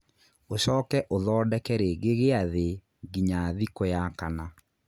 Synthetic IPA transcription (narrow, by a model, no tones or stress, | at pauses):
oɕɔːkɛʔoðɔːdɛkɛɾeɣeɣeaðe | ɡiɲaðikojakana